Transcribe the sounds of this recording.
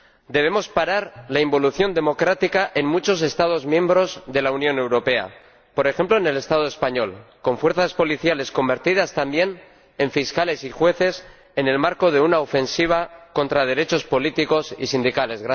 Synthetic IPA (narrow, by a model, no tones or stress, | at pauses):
d̪e̞β̞e̞mo̞spaɾaɾlaimbo̞luθjo̞nd̪e̞mo̞kɾat̪ikaʔe̞nmut͡ʃo̞s̬e̞st̪að̞o̞zmjẽ̞mbɾo̞zðe̞launjõ̞ne̞wɾo̞pe̞a̰ | po̞ɾe̞xe̞mploene̞le̞st̪að̞oe̞spaɲo̞lko̞ɱfwe̞ɾθaspo̞liθjale̞sko̞mbe̞ɾt̪iðast̪ambje̞n | e̞ɱfiskale̞sixwe̞θe̞s | e̞ne̞lmaɾko̞ðe̞unaofe̞nsiβ̞ako̞nt̪ɾað̞e̞ɾe̞t͡ʃo̞spo̞lit̪iko̞sḭsind̪ikale̞zɣɾa